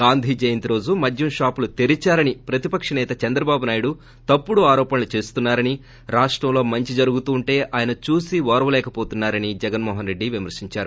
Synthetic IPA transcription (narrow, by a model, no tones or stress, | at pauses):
ɡaːnd̪ʱiːd͡ʒɐjɐnt̪iɾo̞ːd͡ʒumɐdʱjɐmʃaːpulut̪eɾit͡ʃaːɾɐnipɾɐt̪ipɐkʂɐnɛːt̪ɐt͡ʃɐnd̪ɾɐbaːbunaːjuɽu | t̪ɐpːuɽuaːɾɔːpɐnɐlut͡ʃe̞ːst̪unːaːɾɐni | ɾaːʂʈɾɐmlo̞ːmɐɲt͡ʃid͡ʒɐɾuɡut̪uːɳʈe̞ːʔaːjɐnɐt͡ʃuːsiʋɔːɾɐʋɐlɛːkɐpoːt̪unːaːɾɐnid͡ʒɛɡɐnmɔːɦɐnɾe̞ɖːiʋimɐɾsiɲt͡ʃaːɾu